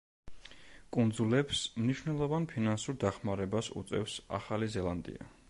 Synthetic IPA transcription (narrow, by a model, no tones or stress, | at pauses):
kʼund̪zulɛpsmniʃwnɛlˠɔvanpʰinansuɾd̪aχmaɾɛbasṵt̪sʼɛ̰fsa̰χalizɛlˠand̪ḭa̰